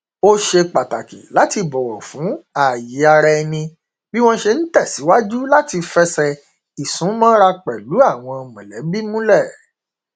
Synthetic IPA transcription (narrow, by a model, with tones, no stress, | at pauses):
o˦ʃe˧k͡pa˨ta˨kḭ˨la˨˦ti˧bɔ˨wɔ̃˨fũ˨˦a˦˨ji˨˦a˧ɾɛ˧nĩ˧ | bi˦w̃ɔ̃˦ʃe˧n̩˦tɛ˦˨si˨˦wa˦d͡ʒu˦la˦ti˧fɛ˦sɛ˧ | i˨sũ˨˦mã˦ɾa˧k͡pɛ˨lu˨˦a˦˨w̃ɔ̃˧˨mɛ̃˨lɛ˨˦bi˦mũ˦lɛ˦˨